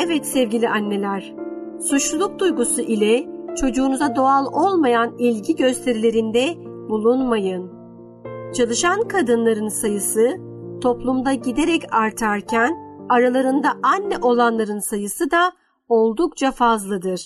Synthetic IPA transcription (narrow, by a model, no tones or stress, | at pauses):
ɛvɛt̪sɛvɟilʲiʔanːe̞lʲæɾ̥ | sut͡ʃllˠuk̚d̪ujɡusuʔilʲɛt͡ʃʰo̞d͡ʒuːnuzad̪o̞alˠo̞lˠmajanilʲɟiɟøst̪ʰe̞ɾilʲe̞ɾind̪ɛ | bulˠunmajɯn | t͡ʃʰalˠɯʃankʰad̪ɯnlˠaɾɯnsajɯsɯ | t̪ʰo̞plˠumd̪aɟid̪e̞ɾɛcʰaɾt̪ʰaɾcʰænaɾalˠaɾɯnd̪aʔanːɛʔo̞lˠanlˠaɾɯnsajɯsɯd̪a | o̞lˠd̪ukt͡ʃʰafazlˠɯd̪ɯɾ̥